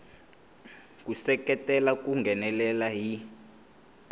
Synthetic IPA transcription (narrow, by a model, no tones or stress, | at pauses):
kusɛkɛtʼɛlak̬ʼuŋɡɛnɛlɛlaɦi